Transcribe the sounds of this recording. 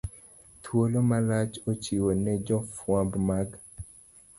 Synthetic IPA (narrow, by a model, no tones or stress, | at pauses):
t̪ʰwolomalat͡ʃot͡ʃiwonɛd͡ʒɔfwãbmaɡ